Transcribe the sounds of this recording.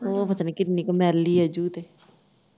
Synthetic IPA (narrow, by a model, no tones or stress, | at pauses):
opɐt̪aːnikɪt̪niːkɐmɛːɾliɛd͡ʒuːt̪e